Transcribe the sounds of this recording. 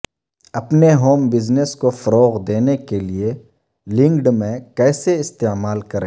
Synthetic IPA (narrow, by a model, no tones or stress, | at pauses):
ɐpneɦoːmbɪzneskofɐɾoːɣd̪eːnekelie | lɪ̃ŋɡɖmẽkɛːseɪst̪eːmaːlkɐɾẽː